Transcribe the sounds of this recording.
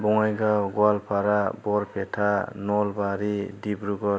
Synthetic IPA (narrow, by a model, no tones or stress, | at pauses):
bɔŋajɡawɡwalpʰaɾabɔɾpʰetʰanɔlbaɾidibɾuɡɔ